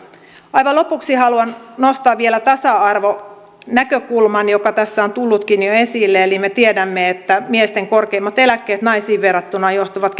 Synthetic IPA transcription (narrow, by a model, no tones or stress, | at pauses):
ɑjʋɑlopuksihɑluɑnnost̪ɑːʋʋielæt̪ɑsɑɑrʋo | nækøkulmɑnjokɑt̪æsːæont̪ulːut̪kinjoesilːeelimet̪iedæmːeet̪ːæmiest̪eŋkorkeimːɑt̪elækːeːt̪nɑisiːʋʋerːɑt̪ːunɑjoht̪oʋɑt̪k